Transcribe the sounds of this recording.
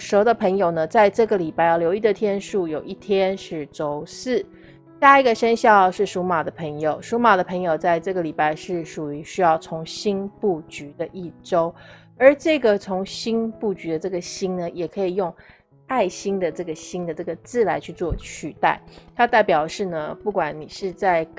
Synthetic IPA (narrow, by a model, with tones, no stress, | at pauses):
ʂo˧˥ʊd̪ə˨˩pʰə˧˥ŋjo˨˩ʊnə˩t͡sa˥˧ɪʈ͡ʂɤ˥˩ɡə˩li˨˩pa˥˧ɪjɑ˥˩ʊjo˧˥ʊi˥˩d̪ə˧˩t̪ʰjɛ˥nʂu˥˩jo˨˩ʊi˥˩t̪ʰjɛ˥nʂɻ̩˥˩ʈ͡ʂo˧˥ʊsɹ̩˥˩ | ɕja˥˧i˧˥ɡə˨˩ʂə˥nɕjɑ˥˧ʊʂɻ̩˥˩ʂu˧˥ma˨˩d̪ə˦pʰə˧˥ŋjo˨˩ʊʂu˧˥ma˨˩d̪ə˩˦pʰə˧˥ŋjo˨˩ʊt͡sa˥˧ɪʈ͡ʂɤ˥˩ɡə˩li˨˩pa˥˧ɪʂɻ̩˥˩ʂu˨˩y˧˥ɕy˥jɑ˥˩ʊt͡sʰʊ˧˥ŋɕi˥npu˥˩t͡ɕy˧˥d̪ə˧ʔi˥˩ʈ͡ʂo˥ʊ | ə˞˨˧˥ʈ͡ʂɤ˥˩ɡə˩t͡sʰʊ˧˥ŋɕi˥npu˥˩t͡ɕy˧˥d̪ə˧ʈ͡ʂɤ˥˩ɡə˩ɕi˥ŋnə˨jɛ˨˩kʰɤ˧˥i˨˩jʊ˥˧ŋ | a˥˩ɪɕi˥nd̪ə˨ʈ͡ʂɤ˥˩ɡə˩ɕi˥ŋd̪ə˨ʈ͡ʂɤ˥˩ɡə˩t͡sɹ̩˥˩la˧˥ɪt͡ɕʰy˥˧t͡swɔ˥˧t͡ɕʰy˥˩t̪a̰˥˩ɪt̪ʰa˥t̪a˥˩ɪpjɑ˨˩ʊʂɻ̩˥˩nə˩pu˥˩kwa˨˩nni˨˩ʂɻ̩˥˧t͡sa˥˧ɪ